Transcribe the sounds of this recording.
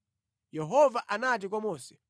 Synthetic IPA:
jɛɦɔvaʔanat̬ik̬wamɔːsɛ̥

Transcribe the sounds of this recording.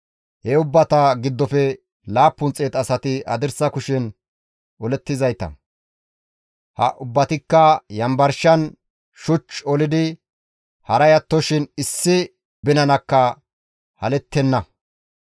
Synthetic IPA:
heʊbːɐt̪ɐɡɪd̪ːɔfɛ | laːpːʊnt͡sʼeːt̪ɐsɐt̪ɪɐd̪ɪɾsɐkʊʃɪn | ɔlɛt̪ːɪzɐjt̪ɐ̰ | hɐ̰ʔʊbːɐt̪ɪkːɐjɐmbɐɾʃɐn | ʃʊt͡ʃɔlɪd̪ɪ | hɐɾɐjɐt̪ːɔʃɪnɪsːɪ | bɪnɐnɐkːɐ | hɐ̰lɛt̪ːɛnːɐ

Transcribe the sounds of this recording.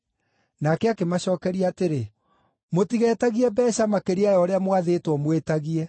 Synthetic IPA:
nakɛakemaɕɔːkɛɾiaːteɾe | motiɣɛːtaɣiɛbɛɕamakeɾiajɔɾeamwaðetwɔmwetaɣiɛ

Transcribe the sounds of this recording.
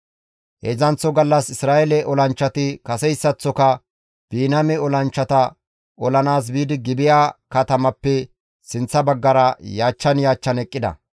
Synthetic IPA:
hezɐnt͡sːɔɡɐlːɐsɪsɾaːɛlɛʔɔlɐnt͡ʃːɐt̪ɪkɐsɛjsːɐt͡sːɔkɐ | b̥iːnɐmɛɔlɐnt͡ʃːɐt̪ɐ | ɔlɐnaːs̬biːd̪ɪɡɪbɪjaːkɐt̪ɐmɐpːɛ | sɪnt͡sːɐbɐɡːɐɾɐjaːt͡ʃːɐnjaːt͡ʃːɐnɛkʼːɪd̪ɐ̰

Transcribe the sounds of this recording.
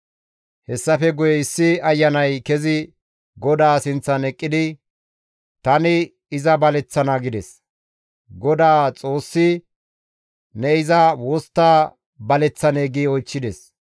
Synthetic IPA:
hɛsːɐfɛɡʊjɛɪsːɪɐjːɐnɐjkɛzɪ | ɡɔd̪aːsɪnt͡sːɐnɛkʼːɪd̪ɪ | t̪ɐnɪː | zɐbɐlɛt͡sːɐnɐɡɪd̪ɛs | ɡɔd̪aːt͡sʼo̞ːsːɪ | nɛɪzɐwoːst̪ːaː | bɐlɛt͡sːɐneːɡiɔjt͡ʃːɪd̪ɛs

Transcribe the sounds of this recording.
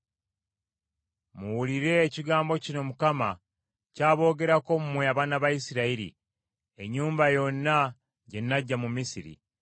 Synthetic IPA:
muwuliɾe̞ːciɡaːmbo̞cino̞mukama | caːβo̞ːɡe̞ɾako̞mumweaβaːnaβajisiɾaiɾḭ | e̞ɲːuːmbajo̞nːa | ɟe̞nːaɟːamumisiɾḭ

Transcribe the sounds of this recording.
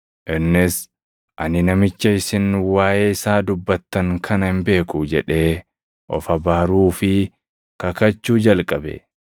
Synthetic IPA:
ʔɪnːɪs | ʔɐnɪnɐmɪt͡ʃːɐɪsɪnwaːʔeːɪsaːd̪ʊbːɐt̪ːɐŋkʰɐnɐhɪmbe̞ːkud͡ʒɛᶑe̞ː | ʔɔ̰fɐbaːɾuːfɪ | kɐkɐt͡ʃːuːd͡ʒɐlkʼɐbɛ̰

